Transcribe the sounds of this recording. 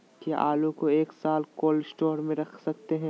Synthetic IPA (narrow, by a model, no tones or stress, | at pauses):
kaʔaːlõkoeːksaːlkoːlsʈɔːɾmẽɾɐkʰsɐk̚t̪eɦɛ̃ː